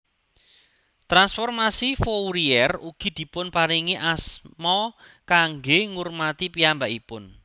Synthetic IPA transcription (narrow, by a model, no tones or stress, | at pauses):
t̪ɾansfɔrmasifowɾiɛruɡ̥i̤d̪̥i̤pʊnpaɾiŋiʔasmɔ | kaŋɡeŋurmat̪ipiambaʔipʊn